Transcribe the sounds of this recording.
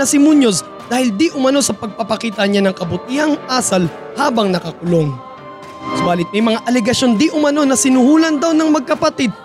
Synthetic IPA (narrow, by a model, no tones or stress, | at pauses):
ɐsɪmuɲos | d̪aːhɪld̪iʔʊmɐno̞sɐpɐɡ̚pɐpɐkiːt̪ɐɲanɐŋkɐbʊt̪ihɐŋʔaːsɐl | haːbɐŋnɐkɐkʊlo̞ŋ | sʊbaːlɪt̪̚mɐjmɐŋaʔɐlɛɡɐʃo̞nd̪iʔʊmɐno̞nɐsɪnʊhuːlɐnd̪awnɐŋmɐɡ̚kɐpɐt̪id̪̚